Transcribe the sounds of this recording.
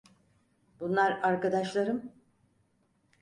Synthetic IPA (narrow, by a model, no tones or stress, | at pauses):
bunlˠaɾaɾkad̪aʃlˠaɾɯm